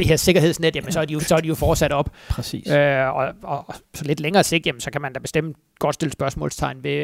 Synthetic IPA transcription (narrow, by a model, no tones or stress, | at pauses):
d̥e̝he̝ɐ̰se̝ɡ̥ɐɦe̝ð̰ˠsned̥jæmənsɒ̽æɐd̥ijo̝sɒæɐd̥ijo̝fɒːd̥sæɾ̥ɒ̽b̥pʰʁɛsḭːøɒɒsɒ̽le̝d̥leŋɐːse̝̰ɡd̥jæmənsɒ̽kʰæmænd̥æb̥e̝sd̥em̰ | ɡ̥ɒ̽d̥sd̥e̝lsb̥ɶɐsmɔ̰̽ːlst͡sʰɑ̈ɪnʋe̝